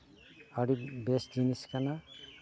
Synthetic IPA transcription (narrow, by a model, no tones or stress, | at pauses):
aɾibesd͡ʒiniskana